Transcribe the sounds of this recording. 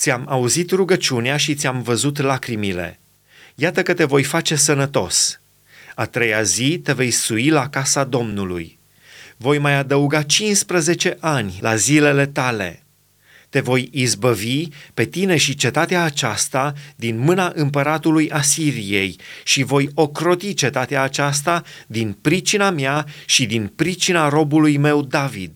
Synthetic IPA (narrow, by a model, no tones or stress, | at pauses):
t̪sʲjamauzit̪ruɡət͡ʃuneaʃit̪sʲamvəzut̪lakɾimile̞̰ | jat̪əkət̪e̞vo̞jfat͡ʃe̞s̬ənət̪o̞s | at̪ɾe̞jazit̪e̞ve̞jsuilakasad̪o̞mnulṵj | vo̞jmajad̪əuɡat͡ʃinspɾəze̞t͡ʃe̞ʔanʲlazile̞le̞t̪ale̞̰ | t̪e̞vo̞jizbəvipe̞t̪ine̞ʃit͡ʃe̞t̪at̪eaːt͡ʃast̪ad̪inmɨnaʔɨmpəɾat̪ulujʔasiɾije̞jʃivo̞jo̞kɾo̞t̪it͡ʃe̞t̪at̪eaːt͡ʃas̬t̪a | d̪inpɾit͡ʃinamjaʃid̪inpɾit͡ʃinaɾo̞bulujme̞wd̪avḭd̪̥